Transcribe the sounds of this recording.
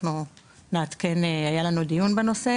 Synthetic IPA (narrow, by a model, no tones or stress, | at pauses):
nu | neat̪ke̞neajalanud̪ijunbeno̞se̞